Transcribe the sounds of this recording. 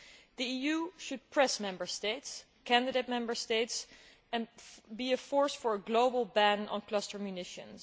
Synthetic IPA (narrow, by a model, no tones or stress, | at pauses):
ðiijuʃɨd̚pʰɹ̥ɛsmɛ̃mbə˞steɪts | kʰæ̃ndɨdeɪt̚mɛ̃mbə˞steɪts | ɨ̃nbiɨfɔɹsfə˞əɡloʊbəl̩ˠbæ̃nə̰̃nkʰlʌstə˞mjʉnɪʃɨ̰̃ns